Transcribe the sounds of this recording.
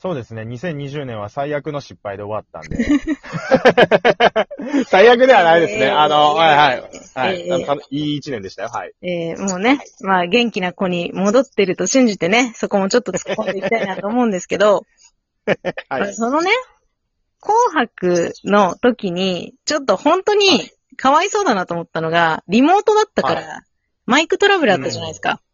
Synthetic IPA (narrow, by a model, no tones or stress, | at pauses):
so̞ːd̪e̞sɨne̞ɲ̟isẽ̞ɲ̟ːiʑɨːnẽ̞ɰ̃βasaijakɯ̟no̞ɕipːaid̪e̞o̞βat̪ːã̰nd̪e | saijak̬ɯ̟d̪e̞βanaid̪e̞sɨneanohahaiaeːiːt͡ɕinẽ̞nd̪eɕi̥t̪a̰joa̰ieːmo̞ːne̞maːɡẽ̞ŋkʲinako̞ɲ̟imo̞d̪o̞t̪ːe̞ɾɯ̟t̪o̞ɕĩɲ̟d͡ʑit̪e̞ne̞so̞ko̞mo̞t͡ɕo̞t̪ːo̞t͡sɨ̥kko̞nd̪e̞ikit̪aiinat̪oːmo̞ɯ̟̃nd̪esɨ̥ke̞d̪o̞ | aso̞no̞ne̞ | kʰo̞ːɦakɯ̟no̞t̪o̞kʲiɲ̟it͡ɕo̞t̪ːo̞hõ̞nt̪o̞ɲ̟i | kʰaβaiso̞ːd̪anat̪oːmot̪ːano̞ɡaɾʲimo̞ːt̪o̞d̪at̪ːakkaɾa | maikɯ̟t̪o̞ɾabɯ̟ɾɯat̪ːaʑanaiesɨ̥ka̰